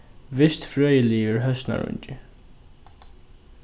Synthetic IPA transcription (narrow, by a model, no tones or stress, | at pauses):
ʋɪst̪fɹœːjəliːəɹɦœsna̰ɹʊ̰ɲcɪ